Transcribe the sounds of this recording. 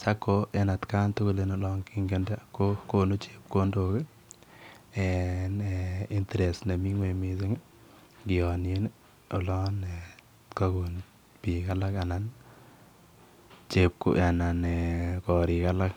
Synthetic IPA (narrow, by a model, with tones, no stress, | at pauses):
sa˦kːoʔe˦na˨tka˦ntʊ˦ku˦leno˨lɔŋki˦ŋɡenda˦kokonu˦t͡ʃe̥p̚ko˦ndoke | enei˦nteɾe˨sne˨mi˦ŋwemisɪ˦ŋ | ɡɪ˨ɔnje˦n | o˨lɔ˦ne | kaku˨n | pika˦la˦ka˨nan | t͡ʃe˦p̚ko̰a˨na˨nekɔ˨ɾika˦la˦k